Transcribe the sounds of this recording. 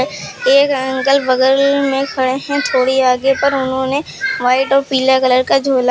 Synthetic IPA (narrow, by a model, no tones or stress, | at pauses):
eːkə̃ŋkəlʋəɡəɾlmẽkʰɐɽeɦɛ̃t̪ʰoːɽiaːɡepɐɾʊnɦõːne | ʋaːɪʈɔːɾpiːlakələɾkad͡ʒʱoːla